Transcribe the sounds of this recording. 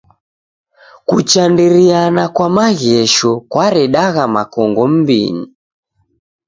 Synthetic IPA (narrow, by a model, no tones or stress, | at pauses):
kut͡ʃandiɾianakwamaɣɛʃɔkwaɾɛɗaɣamakɔŋɡɔm̩bḭni